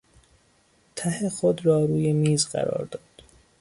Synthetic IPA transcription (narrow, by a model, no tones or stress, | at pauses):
t̪ʰæhe̞xod̪rɒːɾuːje̞miːzɢæ̰ɾɒ̰ːɾd̪ɒːd̪̥